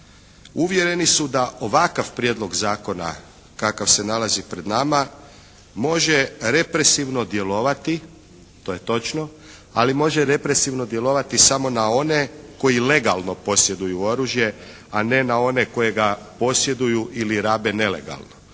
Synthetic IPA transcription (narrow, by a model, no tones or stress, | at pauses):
uʋje̞ɾe̞nisud̪aʔo̞ʋakaʋpɾjed̪lˠo̞ɡzaːko̞na̰ | kakaʋse̞nalˠazipɾe̞d̪nama | mo̞ʒeɾe̞pɾe̞siʋno̞d̪je̞lo̞ʋat̪i | t̪o̞je̞t̪o̞t͡ʃno̞ | alimo̞ʒe̞ɾe̞pɾe̞siʋno̞d̪je̞lo̞ʋat̪isamo̞nao̞ne̞ko̞jile̞ɡalˠno̞po̞sje̞d̪ujuo̞ɾuːʒje̞ | ane̞nao̞ne̞ko̞je̞ɡa | po̞sje̞d̪ujuʔiliɾaːbe̞ne̞le̞̰ɡa̰lˠno